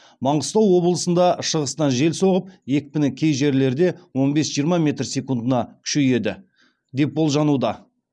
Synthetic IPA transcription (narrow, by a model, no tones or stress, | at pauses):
mɑɴʁəst̪ɑwwo̞blˠəsənd̪ɑʃəʁəst̪ɑnʒe̞lso̞ʁəp̚je̞k̚ʲpɪnɪkʲʰe̞jʒe̞ɾle̞ɾd̪e̞wo̞nbe̞sʒijɾmɑmʲe̞t̪rsʲe̞kund̪ənɑkʲʰʏ̥ʃeje̞d̪ɪ | d̪e̞p̚bo̞lˠʒɑnud̪ɑ